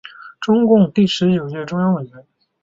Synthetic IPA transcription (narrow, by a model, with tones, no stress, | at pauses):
ʈ͡ʂʊ˥ŋkʊ˥˩˧ŋt̪i˥˩ʂɻ̩˧˥jo˨˩ʊt͡ɕɛ˥˩ʈ͡ʂʊ˥ŋjɑ˥ŋwe˨˩ɪɥɛ˧˥n